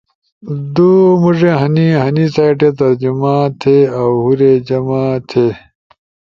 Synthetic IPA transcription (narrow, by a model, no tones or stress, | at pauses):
d̪umuʐẽɦɐniɦɐnisajʈet̪ɐɾd͡ʑumãːt̪ʰeawhuɾed͡ʑɐmãːt̪ʰeː